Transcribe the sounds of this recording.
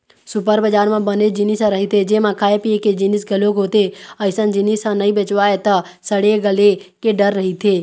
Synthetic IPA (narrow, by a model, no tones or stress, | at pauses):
sʊpəɾbəd͡ʒaːɾmãbəned͡ʒɪnɪsãɾɐɦit̪ʰed͡ʒeːmãkʰaːepieked͡ʒɪnɪsɡɐlõkɦoːt̪eəɪsə̃nd͡ʒɪnɪsãnɐɦĩbeːt͡ʃʋaːet̪ɐ | səɽeɡəlekeɖəɾːəɦit̪ʰeː